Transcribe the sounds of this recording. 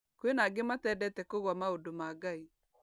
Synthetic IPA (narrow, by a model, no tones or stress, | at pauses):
kwenaɡematɛːdɛtɛkoɣwamaodomaːɡai